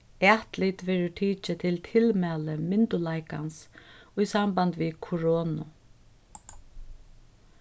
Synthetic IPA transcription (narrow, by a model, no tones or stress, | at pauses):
ɛht̪lit̪ʋɛːɾɪʈʰiːt͡ʃɪt̪ʰɪlt̪ʰɪlmɛːləmɪnt̪ʊlajka̰nsujsambant̪ʋikʰʊɾɔːnʊ̰